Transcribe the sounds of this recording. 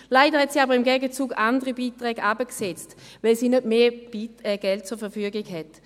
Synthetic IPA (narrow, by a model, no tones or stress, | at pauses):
laɪdəʁhɛtsiːaːbəʁɪmɡɛɡət͡suːɡandəʁibiːtʁɛːɡabəksɛt͡st | vɛlsiːnøtme̥ːɛɡ̥ɛlt̚t͡sʊːɐfɛɐfyːəɡɪɡhɛt